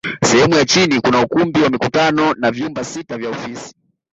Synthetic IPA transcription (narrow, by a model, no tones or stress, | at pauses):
sɛhɛmujat͡ʃinikunaukumbiwamikutanɔnavjumbasitavjaɔfisi̥